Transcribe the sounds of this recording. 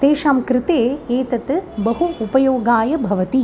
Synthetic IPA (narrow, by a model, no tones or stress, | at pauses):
t̪eːʃaːmkɾɪt̪eːeːt̪ɐt̪ɨbɐɦuupɐjoːɡaːjɐbʱɐʋɐt̪i